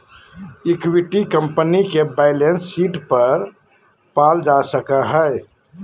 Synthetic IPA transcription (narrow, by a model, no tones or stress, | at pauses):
ɪkwɪʈikə̃mpənikebaɪlẽnsːiːʈpɐɾ | paːld͡ʒasəkaɦɛɪ